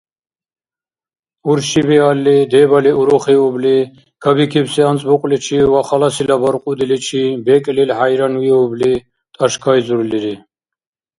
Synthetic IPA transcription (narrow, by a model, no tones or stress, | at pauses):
uɾʃibɛalːid̪ɛbaliʔuɾɔχiubli | ɡ̥ʰabikʰibsiant͡sʼbuqʼlit͡ʃʰiwaχalasilabaɾqʼud̪ilit͡ʃʰibɛkʼlilhajɾanwiubli | t̪ʼaʃkʰajzuɾliɾi